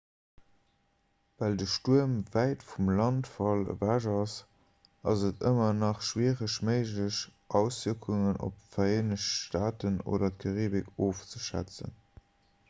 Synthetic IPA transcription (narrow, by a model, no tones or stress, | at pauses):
vældəʃtuəmvæɪtfumlɑntfɑlə̰væʒɑs | ɑzətʰəmɐnɑχʃwiːʁəɕməɪʒləɕʔɑʊsvikʰuŋənʔo̰pfɐeːnəʃʃtaːtəno̰ːdɐtkʰɑʁiːbɪkʰoːft͡səʃæ̰t͡sə̰n